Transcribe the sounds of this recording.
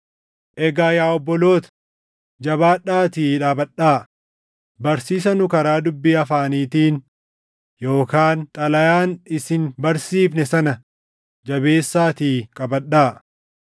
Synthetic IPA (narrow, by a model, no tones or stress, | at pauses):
ʔɛɡaːjaːɔbːɔlo̞ːt̪ɐ̥ | d͡ʒɐbaːᶑaːt̪iːᶑaːbɐᶑːaː | bɐɾsiːs̬ɐnʊkɐɾaːd̪ʊbːiːɐfaːniːt̪iːn | jo̞ːkaːnt̪ʼɐlɐjaːnɪsɪnbɐɾsiːfnɛsɐnɐ | d͡ʒɐbe̞ːsːaːt̪iːkʼɐbɐᶑːaː